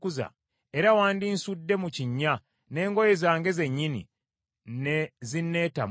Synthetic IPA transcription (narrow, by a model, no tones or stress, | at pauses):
kuza̰ | eɾawaːndinsudːe̞muciɲːa | ne̞ːŋɡo̞jezaːŋɡe̞ze̞ɲːinḭ | nzinːe̞ːta̰m